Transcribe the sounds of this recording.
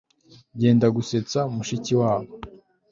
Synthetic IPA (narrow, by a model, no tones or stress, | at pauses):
ɟe̞ːndaɡuse̞t͡samuʃiciwaːβo